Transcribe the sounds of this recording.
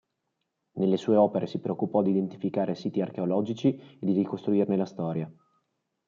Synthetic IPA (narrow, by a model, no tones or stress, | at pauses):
nelːesuːeɔːpeɾesipɾeokːupɔd̪id̪ent̪ifikaːɾesiːt̪iark̟eolɔːd͡ʒit͡ʃied̪irikost̪ɾuirnelast̪ɔːɾja